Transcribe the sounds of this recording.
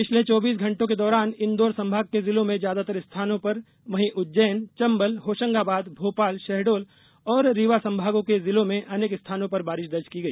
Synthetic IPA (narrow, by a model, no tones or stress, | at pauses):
pɪt͡ʃʰlet͡ʃɔːbiːs̬ɡʱɐ̃ɳʈõked̪ɔːɾaːnɪnd̪oːɾsɐ̃mbʱaːɡ̚kezɪlõmẽd͡ʒjaːd̪at̪ɐɾɪst̪ʰaːnõpɐɾ | ʋɐɦĩʔʊt̪ːd͡ʒɛːnt͡ʃɐ̃mbəlɦoːʃə̃ŋɡabaːd̪bʱoːpaːlʃɛɦɖoːl | ɔːɾːiʋasɐ̃mbʱaːɡõkezɪlõmẽʔɐneːkɪst̪ʰaːnõpɐɾbaːɾɪʃd̪ɐɾd͡ʒkiɡɐiː